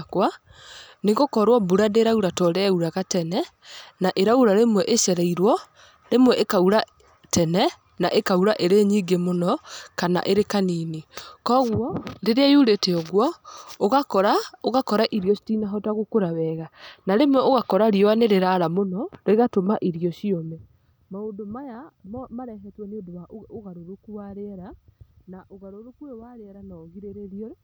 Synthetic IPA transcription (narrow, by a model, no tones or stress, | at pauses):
kwa | neɣokɔɾwɔbuɾadeɾauɾatɔɾɛuɾaɣatɛnɛ | naʔeɾauɾaɾemwɛʔeʃɛɾaiɾwɔ | ɾemwɛʔekauɾa | tɛnɛ | naʔekauɾaʔeɾeɲiːɡemonɔkana̰ʔeɾekaninekɔɣwɔdeɾeajuɾeteɔɣwɔoɣakɔɾaoɣakɔɾaʔiɾiɔʃi̥tinaɦɔtaɣokoɾaβɛɣanaɾemwɛoɣakɔɾaɾiɔwaneɾeɾaɾamonɔɾeɣatomaʔiɾiɔʃiomɛ | maondomajammaɾɛɦɛtwɛnedowaʔoɣaɾoɾokuwaɾɛɾanaʔoɣaɾoɾokuewaɾeɛɾanaoɣiɾeɾeɾiɔ